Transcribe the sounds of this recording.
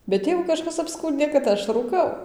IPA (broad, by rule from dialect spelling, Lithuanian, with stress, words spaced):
bʲɛt ˈtʲeːʋʊ kɐˈʃkɐs ɐpˈskuːnʲdʲeː kɐt ˈɐʃ ruːˈkɐʊ